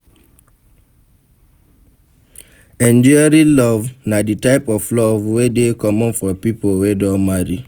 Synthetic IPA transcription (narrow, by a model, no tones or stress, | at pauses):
ɛ̃nd͡ʒɔaɾilɔvnaditaɪpɔflɔvwedekɔmɔ̃nfɔpipolwedɔ̃maɾi